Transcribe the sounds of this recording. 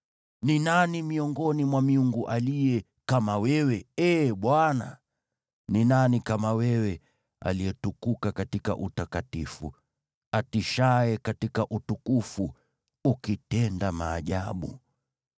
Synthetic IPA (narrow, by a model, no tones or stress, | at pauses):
ninanimiɔŋɡɔnimwamiuŋɡuʔalijɛ | kamawɛwɛɛːɓwana̰ | ninanikamawɛwɛ | a̰liɛtukukakatika̰ʔutakatifṵ | atiʃaɛkatikaʔutukufu | ukitɛndamaːʄaɓṵ